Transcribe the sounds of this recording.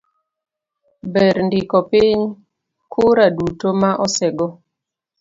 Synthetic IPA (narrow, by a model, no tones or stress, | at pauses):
bɛɾndikɔpiɲ | kʰʊɾadutomaʔɔsɛɡɔ